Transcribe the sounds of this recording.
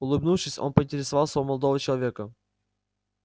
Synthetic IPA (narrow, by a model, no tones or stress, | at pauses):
ʊlˠɨbnufʂɨsʲo̞̰npəɪnʲtʲɪɾʲɪsɐvalˠsʲəvəməlˠɐd̪ovət͡ɕɪlˠɐvʲekə